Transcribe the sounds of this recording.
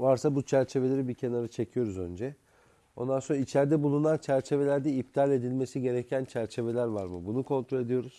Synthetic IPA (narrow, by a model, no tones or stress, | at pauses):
vaɾsabut͡ʃʰæɾt͡ʃʰe̞ve̞lʲeɾibicʰe̞naɾɯt͡ʃʰe̞cʰijo̞ɾuzø̞̰nd͡ʒɛ | o̞̰nd̪anso̞nɾait͡ʃʰæɾd̪ɛbulˠunant͡ʃʰæɾt͡ʃʰe̞ve̞lʲæɾd̪ɛip̚t̪ʰalʲe̞d̪ilʲme̞siɟe̞ɾecʰænt͡ʃʰæɾt͡ʃʰe̞ve̞lʲæɾvaɾmɯ̰bunukʰo̞nt̪ɾolʲe̞d̪ijo̞ɾuz̥